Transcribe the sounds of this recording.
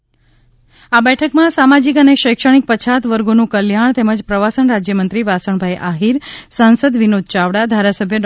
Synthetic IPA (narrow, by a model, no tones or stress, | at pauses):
abɛʈʰəkmãsamad͡ʒikəneʃəjkʃəɽ̃ik̚pət͡ʃʰat̪ʋəɾɡonũkəljaɳ̃t̪eməd͡ʒpɾəʋasəɳɾad͡ʒjəmənt̪ɾiʋasəɳbʱajʔaɦiɾsansəd̪ʋinod̪̚ʱt͡ʃaʋɽad̪ʱaɾasəbʱjəɖ